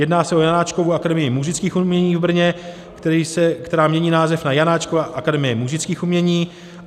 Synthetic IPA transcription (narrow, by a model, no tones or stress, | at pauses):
jɛdnaːsɛojanaːt͡ʃko̞vuʔakadɛmɪjɪmuʒɪt͡skiːxumɲɛɲiːvbr̩ɲɛ | isɛkt̪ɛɾaːmɲɛɲiːnaːzɛfnajanaːt͡ʃkovaʔakadɛmɪjɛmuʒɪt͡skiːxumɲɛɲiː